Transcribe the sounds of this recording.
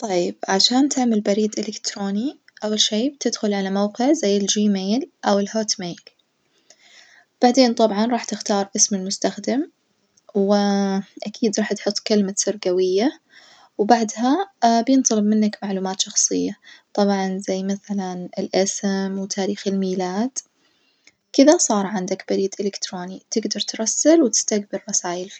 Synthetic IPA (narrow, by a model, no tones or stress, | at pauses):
t̪ˤɑjːɪbʕaʃaːnt̪ʰɪʕmalbaɾiːd̪ʔɪlɪkt̪ɾoːni | ʔawːalʃeːb̚t̪ɪd̪xʊlʕalamawqɪʕzajːɪld͡ʒiːmeːlʔawɪlhoːt̪meːl | b̥aʕd̪eːnt̪ˤɑbʕɑnɾˤɑːħt̪ɪxt̪ɑːɾˤʔɪsmɪlmʊst̪axd̪ɪm | wɪʔakʰiːd̪ɾˤɑːħt̪ħʊt̪ˤːkalmasɪɾɡawɪjːa | wbaʕd̪ɦabjɨnt̪ˤɑlɨbmɪnːakmaʕluːmaːt̪ʃɑxsˤɨjːat̪ˤɑbʕɑnzajːmaθalanɪlʔasɪmwt̪ʰaːɾiːxɪlmiːlaːd̪̥ | kɪðasˤɑːɾˤʕɪnd̪akbaɾiːd̪ʔɪlɪkt̪ɾoːnit̪ɪɡd̪ɑɾˤt̪ɾˤɑsːalwt̪ɪ̥st̪aɡbɪɾːɑsaːjɪlfi